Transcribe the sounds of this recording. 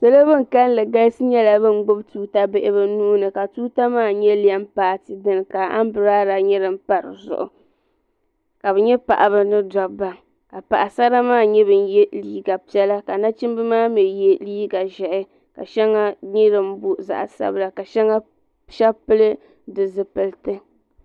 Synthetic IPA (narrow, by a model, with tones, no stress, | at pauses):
sɛ˦lo˦bɨ˦ŋ̩˨ka˦n˦lɨ˨ɡa˦sɨ˦ɲɛ˦la˨bɨ˦n˨ɡ͡bʊ˦btuː˦ta˦bɪ˦ʔɪ˦bɨ˦nuː˦nɨ˨ka˨tuː˦ta˦maː˦˨ɲɛ˦li˨a˦mpaː˨tɨ˨dɨ˦n˨ka˨a̰˦m˦bɨ˨ɾaː˦ɾa˨ɲɛ˦ɾɨ˨m˦pa˨ɾɨ̰˨zʊ̰˨ʔʊ̰˨ | ka˨bɛ˨ɲɛ˦pa̰˨ʔa˨bɨ˨nɨ˦da˨ba˨ | ka˨pa˨ʔa˨sa˦ɾa˦maː˦˨ɲɛ˦bɨ˨n˦jɛ˦liː˦ɡa˨pi˦ɛ˦la˦ka˨na˦t͡ʃɨ˦m˦bɨ˦maː˦mɛ˨jɛ˦liː˦ɡa˨ʒɛ˨ʔɪ˦ | ka̰˨ʃɛ˦ŋːa˦ɲɛ˦ɾɨ˦m˦bʊ˦za̰˨ʔsa̰˦bla˨ka˨ʃɛ˦ŋa˦ | ʃɛ˦pɨ˦lɨ˦ | dɨ˨zɨ˨pɨ˨ltɨ˦